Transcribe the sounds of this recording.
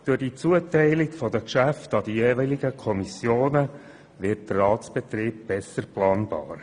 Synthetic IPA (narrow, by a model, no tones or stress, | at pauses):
d̥ʊrd̥it͡suətɛɪlɪkfɔd̪əkʃæftɑd̥̪ijeːvɛliɡəkʰɔmisjoːnə | ʋɪt̚dərɑːtsb̥ɛt̪ɾiːb̚b̥ɛsəɾplɑːnb̥ɑ̰ːɾ